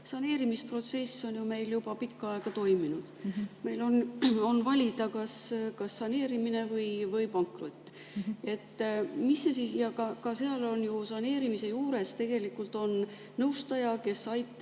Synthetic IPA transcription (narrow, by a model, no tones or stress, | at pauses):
sɑne̞ːɾimispro̞t̪se̞sːo̞njume̞jljub̥ɑpikːɑe̞ɡ̥ɑt̪o̞jminud̪̥me̞jlo̞no̞nvɑlʲid̪̥ɑkɑskɑsːɑne̞ːɾimine̞vɤjvɤjpɑŋkrot̪ːˑ | e̞t̪ːmisːesisjɑkɑkɑse̞ɑlo̞njusɑne̞ːɾimise̞juːɾe̞st̪e̞ɡ̥e̞likːˑult̪ˑo̞n | nɤwst̪ɑjɑke̞sɑjt̪ːˑ